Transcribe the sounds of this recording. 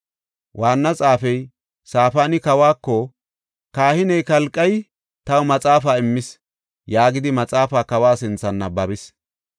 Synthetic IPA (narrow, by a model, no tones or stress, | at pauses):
wʔaːnːɐt͡sʼaːfɛj | saːfaːnɪkɐwaːkːɔ | kaːhɪnɛjkɐlkʼːɐj | t̪ɐwmɐt͡sʼaːfaːɪmːɪs | jaːɡɪd̪ɪmɐt͡sʼaːfaːkɐwaːsɪnt͡sːɐnːɐbɐbɪs